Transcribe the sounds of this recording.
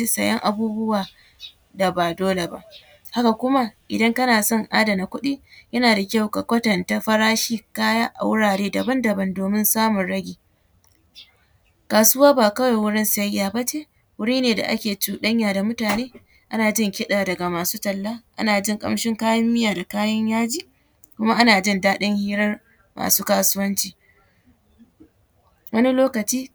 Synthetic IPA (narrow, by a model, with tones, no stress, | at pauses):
i˦sɐ̰˨jɐ̰˦ŋʔa˨buː˦bʊ˦waː˨ | da˨ba˨doː˦le˨ba̰˦ʔ | ha˦ka˨kʷʊ˦ma˦ʔɪ˨dɐ˦ŋkɐ˦naː˨sɔ˦˨ŋʔa̰ː˦da˨na˨kʷʊ˦ɗiː˦jɐ˦naː˨da˨kʲa˦˨wka˨kʷɐ˦tɐ˨nta˦ɸɐ˦ɽaː˦ʃiː˦kaː˦jaː˦ʔa̰˨wʊ˦ɽaː˨ɽeː˦dɐ˨bɐ˦ndɐ˨bɐ˦ndoː˨mɪ˦nsaː˦mʊ˨nɽɐ˦ɡʲiː˨ | kaː˨sʊ˦waː˦baː˨kɐ˦wa˨jwʊ˦ɽɪ˦nsɐ˦jːaː˨ba˦t͡ʃeː˦ | wʊ˦ɽiː˦neː˨da̰˨ʔa̰˦kʲeː˨t͡ʃuː˦ɗɐ˦ɲjaː˨da˨mʊ˦taː˨neː˦ | ʔa˦naː˨d͡ʒɪ˦ŋkʲɪ˦ɗaː˨dɐ˨ɡa˨maː˨suː˦tɐ˨lːa˦ʔa̰˦naː˨d͡ʒɪ˦ŋkʼɐ̰˦mʃɪ˦ŋkaː˦jɐ˦mːɪ˦jaː˨da˨kaː˦jɐ˦ɲjaː˦d͡ʒiː˦˨ | kʷʊ˦ma˦ʔa˦naː˨d͡ʒɪ˦ndaː˦ɗɪ˦ŋhiː˦ɾɐ˦r | ma̰ː˨suː˦kaː˦sʊ˦wɐ˦nt͡ʃiː˨ | wɐ˦ni˦loː˦kɐ˨t͡ʃiː˦